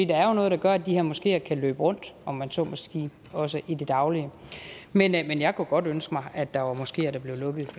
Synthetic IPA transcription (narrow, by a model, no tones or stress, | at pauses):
fd̥ḭːd̥ɑ̈æɐjo̝nɔ̽ːð̩ˠd̥ɑ̈ɡ̥ɶɐæd̥iheɐmɒ̽sɡ̥e̝̰ːɐkʰælø̰ːb̥əʁɔ̽n̰d̥ɒ̽mːænsɒ̰ːmɒsɡ̥e̝̰ː | ɒ̽səʔid̥e̝d̥ɑ̈ʊliəmenmenjɑ̈ɪkʰuɡ̥ɒ̽d̥ønsɡ̥əmɑ̈ɪʔæd̥ːɑ̈ʋɑ̈mɒ̽sɡ̥e̝̰ːæɐɾ̥æb̥le̝ʊlɔ̽ɡ̥ð̩ˠ